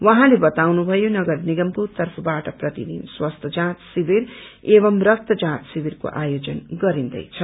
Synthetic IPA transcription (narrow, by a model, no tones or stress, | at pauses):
wʌɦãlebʌt̪awnubʱʌjonʌɡʌrniɡʌmpurt̪ʌrpʰʌbaʈʌprʌt̪ḭd̪ḭnswʌst̪ʰʌd͡zãt̪sibiɾebʌmrʌk̚t̪ʌd͡zãt̪sibirko̰ʔajod͡zʌnɡʌɾind̪ʌ̰jt͡sʰʌ